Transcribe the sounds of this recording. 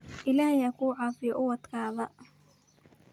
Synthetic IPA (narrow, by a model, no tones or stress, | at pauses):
ʔɪlaːhjaːkʰuːʕɑːfɪjɔʔʊwɐt̪kʰaːβɐ